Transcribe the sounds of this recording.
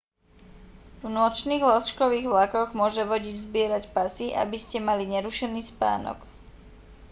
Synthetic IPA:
vnʊɔt͡ʃniːɣlɔst͡ʃkɔʋiːɣʋlakɔɣmʊɔʒɛʋɔɟid͡ʑzbɪɛɾacpasiʔa̰biscɛmaliɲɛɾuʃɛniːspa̰ːnɔ̰k

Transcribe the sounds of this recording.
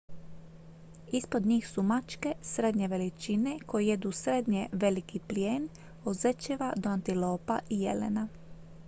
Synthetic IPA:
ispod̪ɲiːxsumat͡ʃke̞sɾe̞d̪ɲeʋe̞lit͡ʃinekojije̞d̪uːsɾed̪ɲeʋe̞likipljeːn | ozet͡ʃeʋad̪oant̪iloːpaʔijḛlḛna

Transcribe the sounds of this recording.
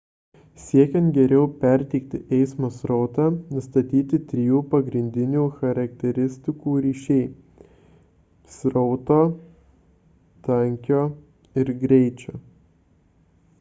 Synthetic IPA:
sʲiɛkʲɛ̃nt̪ɡʲɛɾʲɛʊpʲɛɾʲt̪ʲɛɪk̚t̪ʲɪʔɛɪsmoːsɾɔʊt̪ɑːnʊst̪ɐt̪ʲiːt̪ʲɪt̪ʲɾʲɪjuːpɐɡɾʲɪnʲd̪ʲɪnʲuːxɐɾɐk̚t̪ʲɛɾʲɪsʲt̪ʲɪkuːɾʲiːʃʲɛɪ | sɾɔʊt̪oː | t̪ɐŋʲkʲoː | ɪɾɡɾʲɛɪt͡ʃʲoː

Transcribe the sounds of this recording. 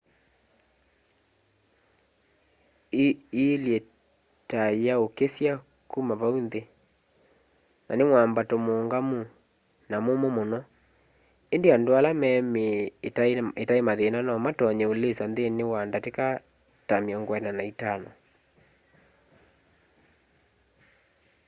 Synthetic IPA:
iljɛ | tajaokesja | kumaβaunðe | na̰nemwambatomoːŋɡamu | namomomonɔ | endeandoalamɛːme | etaemaðenanɔmatɔɲɛolesanðenewandateka | tameɔŋɡwɛnanaitanɔ

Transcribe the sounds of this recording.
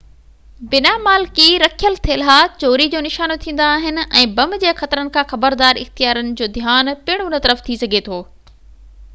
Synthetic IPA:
bɪnamaːlkiɾɐkʰijəlt̪ʰelɦaːt͡ɕoːɾid͡ʑoːnɪʃaːnot̪ʰĩːn̆d̪aːɦɪnɪ̆ɛ̃ːbɐmd͡ʑeːxɐt̪ɾənɪ̆kʰãːxɐbəɾd̪aːɾɪ̰xt̪ijaːɾənɪ̆d͡ʑoːd̪ʱjaːnpɪɽ̃onət̪ɐɾəft̪ʰisɐɡʱet̪ʰoː

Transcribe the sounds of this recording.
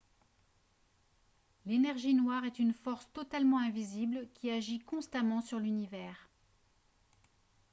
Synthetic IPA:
lenɛʁʒinwaʁɛt̪ynfɔʁst̪ɔt̪almɑ̃ɛ̃viziblkʲʰiaʒikɔ̃st̪amɑ̃syʁlynivɛːʁ

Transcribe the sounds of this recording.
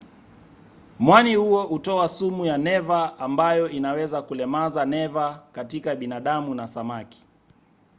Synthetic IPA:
mwanihuɔʔutɔasumujanɛvaːmbajɔʔinawɛzakulɛmazanɛvakatikaɓinaɗamunasamaki̥

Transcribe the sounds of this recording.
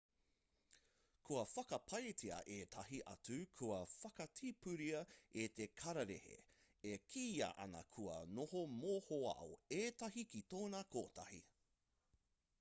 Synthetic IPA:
kʰuɐfɐkɐpʰɐjtʰiɐ̰ʔeːt̪ʰɐɦiʔɐ̰t͡sʉkʰuɐfɐkɐtʰipʉɾiɐet̪ekʰɐɾɐɾḛhḛ | ekʰiːɐ̰ʔɐ̰nɐ̰kʰuɐ̰nohomoːhoɐ̰o̰eːtɐɦikitoːnɐkʰoːtʰɐhḭ

